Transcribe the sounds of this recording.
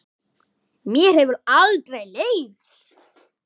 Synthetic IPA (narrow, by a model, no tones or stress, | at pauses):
mjɛɾ̥hɛvʏɾalt̪ɾejleːjvɪst̪